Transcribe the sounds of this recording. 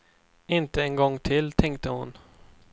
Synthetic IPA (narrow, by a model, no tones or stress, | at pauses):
ɪnt̪əɛnɡɔŋːt̪ʰɪlt̪ʰɛŋk̚t̪əhʊn